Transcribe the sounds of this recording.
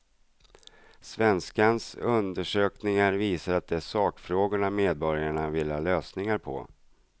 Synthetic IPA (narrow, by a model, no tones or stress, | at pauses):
svɛnskansɵnd̪əʂøːknɪŋaɾviːsaɾat̪̚d̪ɛʂɑːkfɾoːɡʊɳameːd̪̚bɔɾjaɳavɪlːhɑːløːsnɪŋaɾpʰɔ̰